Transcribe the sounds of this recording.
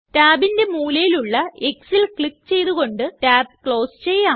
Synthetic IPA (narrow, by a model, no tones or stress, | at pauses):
taːbinde̞muːlɐjiluɭːɐeksilkɭikːt͡ɕe̞jt̪uɣo̞ɳɖɨtaːb̚kɭo̞ːst͡ɕe̞jːaː